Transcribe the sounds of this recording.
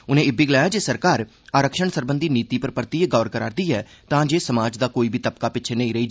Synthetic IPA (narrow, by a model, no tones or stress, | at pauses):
ʊnẽːɪbiːɡlaːjaːd͡ʒeːsəɾkaːɾ | aːɾəkʃəɳsəɾbənd̪iːniːt̪iːpəɾpəɾt̪iːɡɔːəɾkəɾaːɾd̪iːɦɛː | t̪ãːd͡ʒeːsəmaːd͡ʒd̪aːkoːiːbʱiːt̪əp̚kaːpɪt͡ʃʰːnəĩːɾəiːd͡ʒ